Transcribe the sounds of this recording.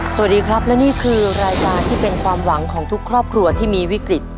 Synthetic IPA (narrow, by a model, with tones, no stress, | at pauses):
su˨˩t̪̚diː˧kʰɾa˦˥p̚lɛ˦˥niː˥˩kʰɯː˧ɾaː˧jkaː˧nt̪ʰiː˥˩pe˧nkʰwaː˧mwa˩˦ŋkʰɔː˩˦ŋt̪ʰu˦˥kʰːɾɔː˥˩p̚kʰɾu˧ɐt̪ʰiː˥˩miː˧wi˦˥kɾi˨˩t̪̚